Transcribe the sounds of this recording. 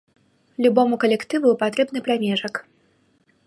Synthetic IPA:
lʲubɔmukɐlʲɛkt̪ɨvupat̪ɾɛbnɨpɾamʲɛʐɐk

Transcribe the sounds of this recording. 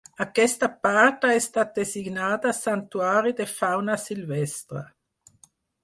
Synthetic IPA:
akːɛst̪apart̪aɛst̪at̪̚d̪eziɡnaːt̪aːsant̪uaːɾid̪efawnasilvɛst̪ɾa̰

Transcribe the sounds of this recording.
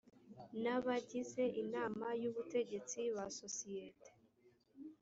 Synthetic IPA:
naβaɟize̞ʔinaːmajuβute̞ɟe̞t͡siβaso̞siete̥

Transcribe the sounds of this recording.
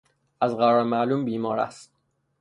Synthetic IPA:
ʔæzɢæɾɒːɾmæluːmbiːmɒːɾæ̰st̪

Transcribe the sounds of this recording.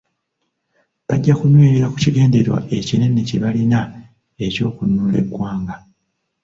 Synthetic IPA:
βaɟːakunweːɾiɾakuciɡe̞ːnde̞ɾwa̰ʔe̞cine̞nːe̞ceβalina | e̞co̞ːkunuːle̞̰ɡːwaːŋɡa

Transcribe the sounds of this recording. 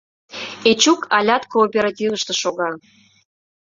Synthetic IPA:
et͡ɕukʰɑlʲɑt̪koːpʲeɾat̪ʲivəʃt̪ĕʃoɣɑ

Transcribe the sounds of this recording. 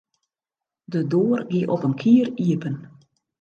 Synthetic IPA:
dədoːərɡiʔɔpənkʰiəriəpən

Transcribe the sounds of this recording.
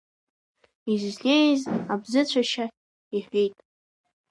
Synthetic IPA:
izʒlʲejzabzɨt͡ɕʷʰaʃa | iħʷᶣejtʼ

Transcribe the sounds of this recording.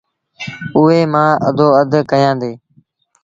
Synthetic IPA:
ʊeːmãːə̰d̪ʱoːəd̪ʱkəjãːnd̪eː

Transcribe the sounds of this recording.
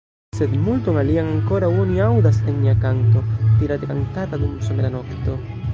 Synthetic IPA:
se̞d̪multo̞ŋaliaŋaŋko̞ɾawoniawdasenmiakanto̞t̪iɾad̪ekantatadumsomelano̞kto̞

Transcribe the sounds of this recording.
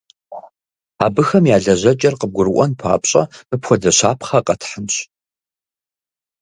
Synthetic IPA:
aːbɨxɐmjaːɮɐʑɐt͡ʃʼɐrqəb̚ɡʷʊɾɨʔʷɔnpʰa̰ːpɕʼɐ̰mɨpxʷɔdɐɕaːpʰχɐqʼɐtʰħənɕ

